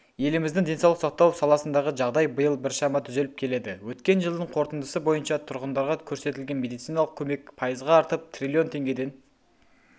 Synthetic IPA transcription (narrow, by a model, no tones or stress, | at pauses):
je̞lɪmɪzd̪ɪŋd̪e̞nsɑwlˠəqsot̪ːɑwsɑlˠɑsənd̪ɑʁəʒɑʁd̪ɑjbəjəlˠbɪɾʃɑmɑt̪ʰʏze̞lɪp̚kʲʰe̞le̞d̪ɪwɵt̪kʲe̞nʒəlˠd̪əɴqʰo̞ɾt̪ənd̪əsəbo̞jənʃɑt̪ʰʊɾʁənd̪ɑɾʁɑkʲʰɵɾse̞t̪ɪlɡʲe̞nme̞d̪ijt̪sijnɑlˠəq̚kʲʰɵme̞kpʰɑjəzʁɑːɾt̪əp̚t̪ʰrʲilʲio̞nt̪ʰe̞ŋɡʲe̞d̪e̞n